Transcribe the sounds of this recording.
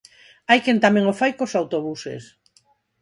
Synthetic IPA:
ajkent̪amẽŋofajkosawt̪oβusḛs

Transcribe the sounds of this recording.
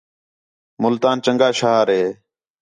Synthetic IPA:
mʊlt̪aːnt͡ʃəŋɡaːʃaːɾɦeː

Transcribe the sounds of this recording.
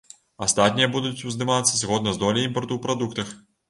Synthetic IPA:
ast̪at̪ʲnʲijɐbud̪ut͡sʲuzd̪ɨmat̪sːɐzʲɣɔd̪nɐzd̪ɔlʲiimpɐrt̪uwpɾad̪ukt̪ɐx

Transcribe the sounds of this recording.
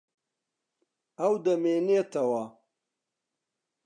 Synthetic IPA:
awd̪ɐmenet̪ɐwaː

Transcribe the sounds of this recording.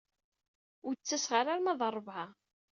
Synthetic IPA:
ʊt͡sːæsʁaɾaɾmæðˤɑrˤːvʕa

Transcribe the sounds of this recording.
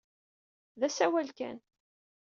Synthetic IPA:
ðæsæwælkæ̰n

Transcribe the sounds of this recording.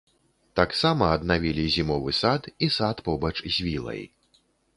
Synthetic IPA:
t̪aksamɐːd̪navʲilʲizʲimɔvɨsat̪isat̪pɔbɐt͡ʂzʲvʲilˠɐ̰j

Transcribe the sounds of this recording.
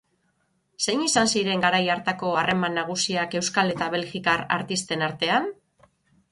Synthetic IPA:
se̞jɲisansiɾe̞ŋɡaɾajaɾt̪ako̞arʔe̞manːaɣ̞usiake̞wskale̞t̪aβ̞e̞lɣikara̰ɾt̪ist̪e̞naɾt̪e̞an

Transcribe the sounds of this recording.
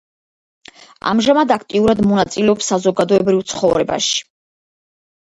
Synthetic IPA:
a̰mʒamad̪ak̚ʰt̪ʼiuɾad̪mɔnat̪sʼilɛɔpsːazɔɡad̪ɔɛbɾivt̪sʰχɔvɾɛba̰ʃi̥

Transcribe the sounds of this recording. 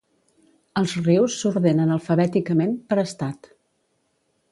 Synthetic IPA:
əlˠzriwsːuɾðenənəlˠfəβɛt̪ikəmempəɾəst̪at̪

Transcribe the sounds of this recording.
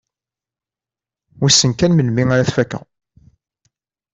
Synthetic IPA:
wisːənkænmənmiŋaɾaθfækːæ̰

